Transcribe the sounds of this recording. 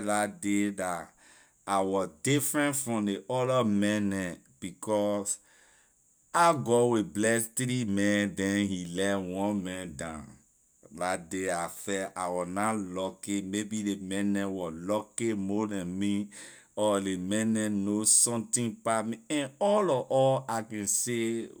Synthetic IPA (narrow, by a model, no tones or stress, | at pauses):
datdeda | awɔzdifɹɛ̃ntfɹɔ̃mdeʔɔlɔmɛ̃nɛ̃ | b̥ikʰɔs | aɡɔwiblɛstɾimɛ̃ndɛ̃nhilɛwɔ̃nmɛ̃ndãn | datdeafɛʔawɔnalɔkemebidemɛ̃nɛ̃wɔlɔkemodɛ̃nmi | ɔlemɛ̃nɛ̃nosɔ̃mtĩnpamiɛ̃nɔlɔʔɔlakɛ̃nse